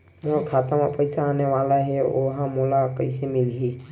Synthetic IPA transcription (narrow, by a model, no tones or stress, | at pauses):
moɾkʰaːt̪amãpəɪsaːneʋaːlaɦɛo̰ɦãmolakəɪsemɪlɦi